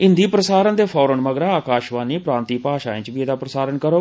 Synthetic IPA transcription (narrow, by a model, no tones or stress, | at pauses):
ɪ̃nd̪iːpɾəsaːɾənd̪eːpʰɔːɾəɳməɡɾãːaːkaːʃʋaːniːpɾãːnt̪iːpaːʃaːẽːt͡ʃbiːeːd̪aːpɾəsaːɾənkəɾoː